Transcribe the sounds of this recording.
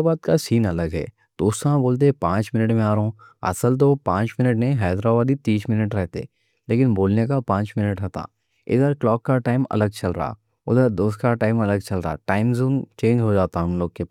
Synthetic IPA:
baːd̪̚kasiːnɐləɡɦɛ̰ː | d̪oːst̪ɦãboːlt̪̬epãːt͡ʃmɪnəʈmẽaːɾɦõːɐ̰səlt̪̬opãːt͡ʃmɪnəʈnẽɦɛːd̪ɾabaːd̪it̪iːsmɪnəʈɾɛɦt̪ḛː | leːkɪnboːlnekapãːt͡ʃmɪnəʈɦɛt̪a̰ː | ɪ̰d̪əɾklɔːkːaʈaːɪmɐ̰ləɡ̚t͡ʃɐlɾɐ̰ɦa̰ | ʊd̪əɾd̪oːst̪kaʈaːɪmɐləɡ̚t͡ʃɐlɾɐɦa̰ʈaːɪmzuːnt͡ʃẽːɲd͡ʒɦod͡ʒaːt̪aɦɐmloːɡ̚ke

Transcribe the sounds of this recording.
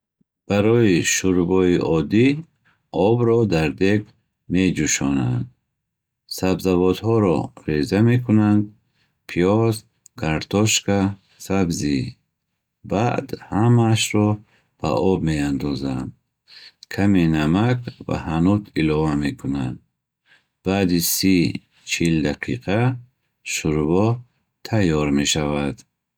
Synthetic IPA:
b̥aɾɔiʃuɾbɔiʔɔd̪i | ɔbɾɔd̪aɾd̪eɡ | me̞d͡ʒuʃɔna̰nd̪̚ | sabzavɔd̪hɔɾɔ̰ɾezame̞kʰunand̪ | pʰiɔz | kʰaɾt̪ʰɔʃkʰa | sabzi | bad̪hamaʃɾɔ | b̥a̰ʔɔb̚me̞and̪ɔzand̪ | kʰamenamakva̰hanut̪ʰilɔvame̞kʰuna̰nd̪ | b̥ad̪isi | t͡ʃʰild̪aqʰiqʰa | ʃuɾvɔ | t̪ʰajɔɾme̞ʃavad̪

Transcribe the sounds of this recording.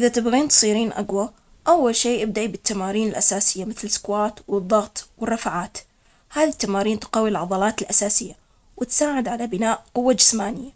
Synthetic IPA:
ʔɪðat̪ɪbɣiːnt̪sˤiːɾiːnʔa̰ɡwa | ʔawːalʃeːʔɪb̚d̪aʔibɪt̪ːamaːɾiːnɪlʔasaːsɪjːamɪθlɪskwaːt̪wɨðˤːɑɣt̪ˤwɪrˤːɑfʕaːt̪ | haːðit̪ːamaːɾiːnt̪qɑːwːilʕɑðˤɑlɑːt̪ɪlʔasaːsɪjːa | wɪt̪saːʕɪd̪ʕalabɪnaːʔqʊwːad͡ʒɪsmaːnɪjːa

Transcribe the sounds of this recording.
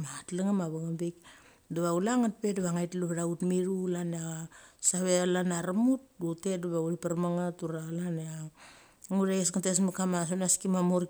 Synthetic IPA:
matlaŋamaβaŋambek | duβaulaŋat̚pedaβaŋajtluβɾautmiɾulaneasaβealanaɾamut̚duteduβauɾipaɾmaŋatuɾalanea | ŋuɾaesŋates̬mukamasonaskimamoɾ

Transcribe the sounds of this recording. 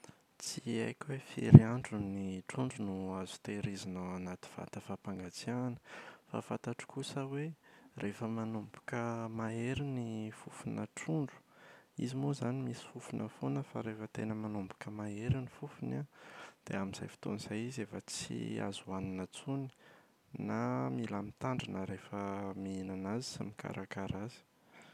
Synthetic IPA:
t͡sia̰jkʲwefḛɾiaɳɖ͡ʐuniʈ͡ʂuɳɖ͡ʐunuazu̥t̪eɾizinaanat̪i̥v̥a̰t̪əfapaŋɡat͡sianə̥fa̰fat̪aʈ͡ʂu̥kusəwerefəmanumbu̥kəmaeɾinifufunə̰ʈ͡ʂuɳɖ͡ʐu̥ḭzimozanimisi̥fufunʔəfonəfa̰ɾefət̪ḛnəmanumbu̥kəmaeɾinifufunad̪̥ḛaminz̥a̰jfi̥t̪o̰nizajizefət͡sḭa̰zuaninət͡suni̥ | namilamit̪aɳɖ͡ʐinəɾefəmiinanazi̥sa̰mika̰ɾʔakaɾazi̥

